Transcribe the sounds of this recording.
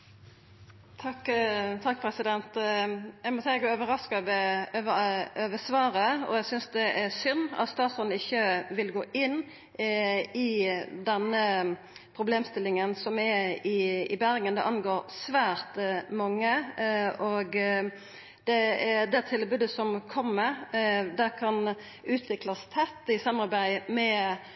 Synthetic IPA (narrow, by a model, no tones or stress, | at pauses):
t̪ʰɑkːt̪ʰɑk̚ːpʰɾɛsɪd̪ɛnt̪æɪmɔsɛɪɡəøːʋəɾɑskɑʋɛøøʋəsʋɑːɾəɔ̰æsʏnsd̪ɛʔɛsʏnːɑ̰t̪st̪ɑːt̪sɔnɪçːəʋɪlɡoːʔɪnː | ɪd̪ɛnːə | pʰɾʊbleːmst̪ɪlɪŋənsɔmɛɪɪbæɾɡənd̪ɛʔɑnɡoːɾsʋæːɾt̪mɑŋːə | ɔɡ | d̪̥ɛɛd̪ɛt̪ʰɪlbʉːd̪əsɔmkʰɔmːəɾd̪ækʰɑn | ʉːt̪ʰʋɪklɑst̪ʰɛt̪ːɪsɑmɑbæɪmɛ